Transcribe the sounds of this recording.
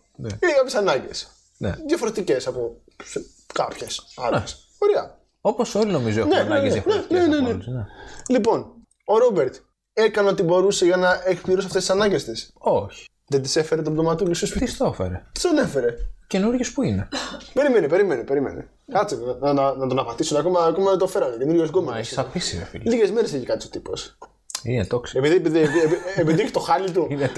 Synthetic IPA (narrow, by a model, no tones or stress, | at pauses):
neinekɐpçe̞sɐnɐɲɟḛs | nḛðjɐfo̞ɾet̪ice̞sɐpo̥ | s | kɐpçesɐɾes | oɾeɐ | oposolino̞mizoeneneɐfnenenenenelipo̞n | o̞ɾobe̞ɾt̪ | ekɐnot̪ibo̞ɾuseʝɐnɐʔekpliɾos̬ɐft̪est̪isɐnɐɲɟest̪isoçi̥ | ðed̪isefeɾet̪obðomɐt̪ulisost̪ist̪ofḛɾḛt̪i̥sɐne̞fe̞ɾecenuɾʝespuinepe̞ɾimenipe̞ɾimenipe̞ɾimḛnḛ | kɐt͡sinɐnɐnɐt̪o̞nɐpɐt̪isuneɐko̞mɐːko̞mɐðet̪ofe̞ɾɐt̪ece̞nuɾʝosɡomesisɐpisiefḭlilicezmeɾeseçikɐt̪isot̪ipos | inet̪oksepiðiepiðieepiepiðiçe̥t̪oxɐlit̪̬uine